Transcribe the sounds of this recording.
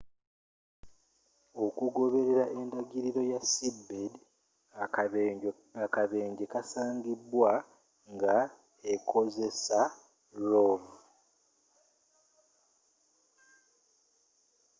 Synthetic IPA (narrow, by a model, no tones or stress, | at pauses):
o̞kuɡo̞βe̞ɾe̞ɾaʔe̞ndaɡiɾiɾo̞jasibːed | akaβe̞ːɲɟe̞kasaːŋɡibwa | ŋɡa | ekʰo̞ze̞sa | ɾom